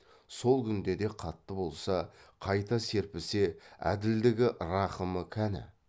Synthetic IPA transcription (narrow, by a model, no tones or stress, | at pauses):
so̞lˠkʲʰʏnd̪e̞d̪e̞qʰɑt̪ːəbo̞lˠsɑqʰɑjt̪ɑse̞ɾpɪseæ̰d̪ɪld̪ɪɡʲɪɾɑqəməkʲʰænɪ̰